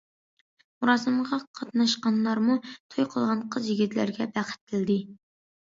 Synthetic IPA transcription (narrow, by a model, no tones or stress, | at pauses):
muɾɑsɨmʁɑqʰɑt̪nɑʃqɑnlˠɑɾmut̪ʰojqʰəlˠʁɑnqʰəzjiɡʲit̪ʰlæ̰ɾɡʲɛbæχɪ̥t̪̚kʲʰɪld̪ɪ